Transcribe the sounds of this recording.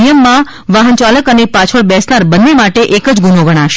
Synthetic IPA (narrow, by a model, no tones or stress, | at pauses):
ijəmːã | ʋaɦənt͡ʃaləkənepat͡ʃʰəɭbɛsnaɾbənːemaʈeʔekəd͡ʒɡunoɡʱəɽ̃aʃe̥